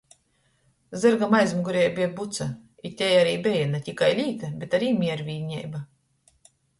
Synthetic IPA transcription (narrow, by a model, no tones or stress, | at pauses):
zɨɾɡamajzmuɡuɾʲɛːjbʲiɛbut̪sa | it̪ʲɛjaɾiːbʲejanat̪ʲikajlʲiːt̪abʲet̪aɾiːmʲiɛɾvʲiːɲʲɛ̰jba